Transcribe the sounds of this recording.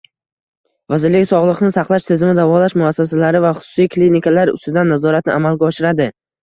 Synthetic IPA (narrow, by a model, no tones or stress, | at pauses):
vazɪɾlɪkʲsɒʁlˠɨqnɪsaqlˠaʃsʰezɪmɪd̪avɒlaʃmʊasːas̬alaɾɪvaχʊ̥sʊ̥sijklinikʰalaɾʊ̰st̪ʊɪd̪anːazɒɾat̪̚nɪ̰ʔamalɡʲaɒʃɪɾad̪ɪ